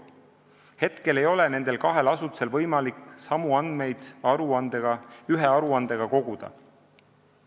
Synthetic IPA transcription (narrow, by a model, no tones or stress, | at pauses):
he̞t̪ke̞le̞jo̞le̞ne̞nd̪̥e̞lkɑɦe̞lɑsut̪u̥se̞lvɤjmɑliksɑmuɑnd̪me̞jd̪̥ɑɾuɑnd̪̥eɡ̥ɑyɦe̞ɑɾuɑnd̪e̞ɡ̥ɑko̞ɡ̥ud̪̥ɑ̰